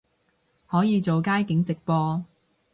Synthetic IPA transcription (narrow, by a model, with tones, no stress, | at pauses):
hɔː˨˥jiː˨˧t͡so˨wkaː˥jkɪ˨˥ŋt͡sɪ˨k̚pɔː˧